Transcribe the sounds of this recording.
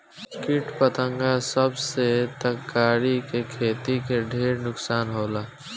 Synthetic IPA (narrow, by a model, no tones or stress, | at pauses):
skɪʈpət̪ə̃ŋɡasəbset̪əkːaːɾikekʰeːt̪ikeɖʱeːɾnʊksaːnɦoːlaː